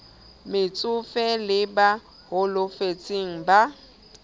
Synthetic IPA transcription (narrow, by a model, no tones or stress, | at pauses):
mɪt͡sʼʊfɛlɪba | hʊlʊfet͡sʼeŋ̩ba